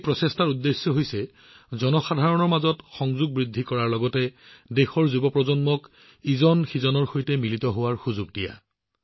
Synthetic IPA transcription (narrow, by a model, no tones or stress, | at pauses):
pɹɔsestaɹudːesːjɔɦojsɛ | zɔnɔxadʱaɹɔnɔɹmazɔtxɔŋzuɡ̚bɹidʱːikɔɹaɹlɔɡɔtɛdexɔɹzubɔpɹɔzɔnmɔk | izɔnxizɔnɔɹxojtɛmilitɔɦowaɹxuzuɡ̚dija̰